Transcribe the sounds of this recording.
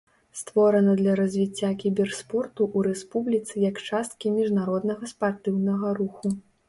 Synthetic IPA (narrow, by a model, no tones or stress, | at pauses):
st̪vɔɾɐnɐd̪lʲɐɾɐzʲvʲit͡sʲːakʲibʲɛrspɔrt̪uʔuɾɛspublʲit̪sɨjɐkt͡ʂast̪kʲimʲiʐnaɾɔd̪nɐɣɐspart̪ɨwnɐɣɐɾuxu